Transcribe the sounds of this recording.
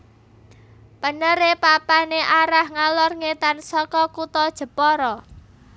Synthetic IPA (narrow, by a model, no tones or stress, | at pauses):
pənəɾepapaneʔaɾahŋalɔrŋet̪ansɔkɔkut̪ɔd̥ʒ̥ə̤pɔɾɔ